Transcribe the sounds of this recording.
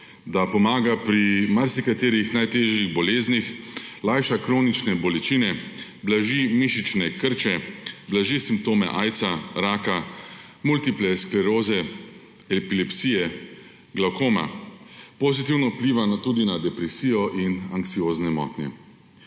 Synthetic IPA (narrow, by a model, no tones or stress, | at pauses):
d̪apɔmaːɡapɾimaɾsikat̪eːɾixnajt̪eːʒjiɣbɔleːznixlajʃakɾoːnit͡ʃnɛbɔlɛt͡ʃiːnɛ | blaʒimiʃit͡ʃnɛkəɾt͡ʃɛblaʒisimp̚t̪oːmɛʔaːjt̪saɾaːka | mult̪iplɛsklɛɾoːzɛ | ɛpilɛpsiːjɛ | ɡlawkoːma̰pozit̪̬iwnɔupliːʋat̪uːd̪inad̪ɛpɾɛsiːjɔʔinaŋkt̪sioːznɛmɔ̰t̪nḭ